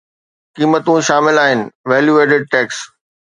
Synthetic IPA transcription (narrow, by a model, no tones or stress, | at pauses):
kiːmət̪ũʃaːmɪlaːɦɪnɪ̆ʋɛːljueːʈɪɖ̚ʈɛːks